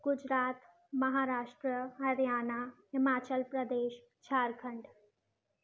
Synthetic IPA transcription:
ɡ̥ud͡ʒɾaːt̪ | məɦaɾaːʂʈɾəɦɐɾjaːnaɦimaːt͡ʃəlpɾəd̪eːʃ | t͡ʃʰaːɾkʰəɳɖ

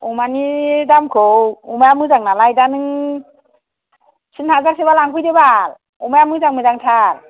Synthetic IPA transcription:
umanidamkʰowumajamɯzaŋnalajdanɯŋ | sɯnhazaɾsebalaŋkʰɯjdebal | umajamɯzaŋmɯzaŋtʰal

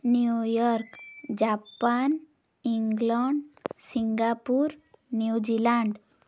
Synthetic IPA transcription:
njujɔɾkd͡ʑapan | iŋɡlaɳɖsiŋɡapuɾnjud͡ʑilãɳɖ

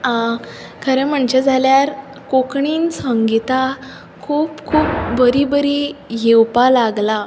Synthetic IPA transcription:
a | kʰəɾẽm̤əɳt͡ɕed͡zʱaljaɾ | kokɳiːnsəŋɡit̪a | kʰuːpkʰuːp̚bəɾibəɾijewpalaɡla

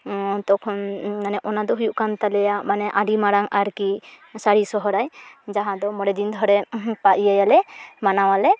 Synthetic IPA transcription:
t̪ɔkʰɔnanɛʔɔnad̪ɔɦujuʔkant̪alɛjaʔmanɛʔaɖimaɽaŋaɾki | saɽisɔɦɔɾajd͡ʒaɦãd̪ɔmɔɽɛd̪ind̪ʱɔɾɛpaʔijajalɛmanawalɛ

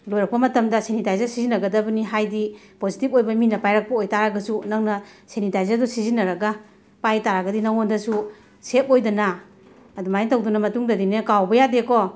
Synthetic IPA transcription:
lojɾɐk̚pɐmɐtɐmdɐsenitajzaɾsizinɐɡɐdɐbɐniɦajdi | pozitipojbɐminɐpajɾak̚pɐojtaɾaɡɐsunaŋnɐsenitajzaɾdɔsizinɐɾɐɡa | pajtaɾaɡɐdinaŋondɐsu | set̚ojdɐnaː | dumajiŋtɐwdunɐmɐtuŋdɐdinekawbɐjadekɔ

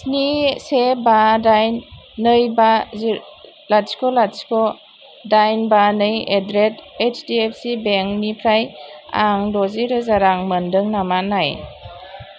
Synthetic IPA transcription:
snisebadajnː | ɯjba | laskɔlaskɔ | dajnbanɯjedɾetet͡ʃdiep̚ʰsibeŋnipʰɾaja̰ŋdɔziɾɯzaɾaŋməndɯŋnamanaj

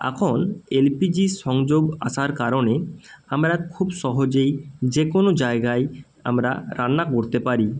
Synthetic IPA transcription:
ɛ̰kʰonelpid͡ʑiʃɔŋd͡ʒoɡa̰ʃaɾkaɾoneamɾaɾkʰubʃɔɦod͡ʑejd͡ʑekonod͡ʒaeɡaj | a̰mɾa̰ɾanːakoɾt̪epaɾi

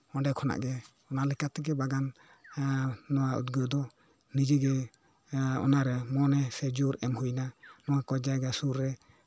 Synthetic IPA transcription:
ɔ̃ɖɛkʰɔna̰ʔɡɛ | ɔnalɛkat̪ɛɡɛbaɡan | ɔwaṵt̪ɡəd̪ɔ | nid͡ʒɛɡɛ | ɔ̰naɾɛmɔnɛsɛd͡ʒuɾɛmhujnanɔwakɔd͡ʒaɡasuɾːɛ

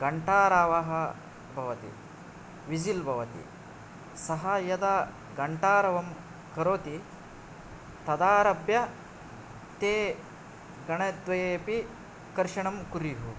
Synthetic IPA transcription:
ɡɐɳʈaːɾaːʋaɦɐ | bʱɐʋɐt̪ḭ | ʋid͡ʒilbʱɐʋɐt̪ḭ | sɐɦɐjɐd̪aː | ɡɐɳʈaːɾɐʋɐm | kɐɾoːt̪i | t̪ɐd̪aːɾɐbjɐ | t̪eː | ɡɐɳɐd̪ʋɐjeːpi | kɐɾʂɐɳɐmkuɾiɦu

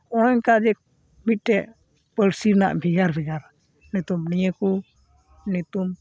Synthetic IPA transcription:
ɔnɔɲkad͡ʒɛ | mit̪̚ˀʈɛʔ | pəɽsiɾna̰ʔbʱiɡaɾbʱiɡaɾ | nɛt̪umnijəku | nɛt̪um

